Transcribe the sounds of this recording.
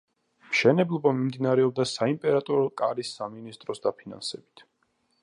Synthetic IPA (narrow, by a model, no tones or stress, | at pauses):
mʃɛnɛblˠɔbamimd̪inaɾɛɔb̚d̪asaimpʼɛɾat̪ʼɔɾɔkʼaɾisːaminist̪ʼɾɔsd̪apʰina̰nsɛbit̪ʰ